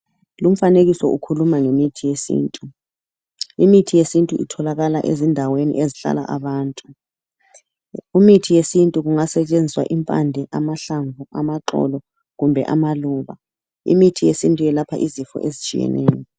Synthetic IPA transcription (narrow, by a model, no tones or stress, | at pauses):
lum̩faneɣisɔʔukʰulumaŋemitʰijesḭːntʼu | imitʰijesintʼuʔḭtʰɔlaɣalaʔezindʱawenḭʔeziɬa̰la̰ʔaβaːntʼu | umitʰijesintʼuɣuŋasɛt͡ʃʼend͡zʱiswa̰ʔimpʼa̰ndʱɛʔamaɬaɱvuamaǁɔ̰lɔ | ɣumbʱɛ̰ʔamaluːβa | ḭmitʰijesintʼujɛlapʰa̰ʔizifɔ̰ʔezit͡ʃʼḭjɛ̰nʔɛ̰ːjɔ